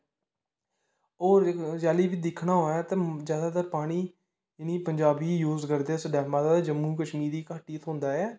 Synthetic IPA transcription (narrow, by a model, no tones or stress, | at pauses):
oːɾd͡ʒaːliːʋiːd̪ɪkʰɳaːɦoːjaːt̪eːzjaːd̪aːt̪əɾpaːɽ̃iː | ɪniːpəɲd͡ʒaːbiːjuːzkəɾd̪eɛːsəɖɛːmãːd̪aːd͡ʒəmːũːkəʃniːd̪iːkaːʈiːt̪ʰɦõnd̪aːɛː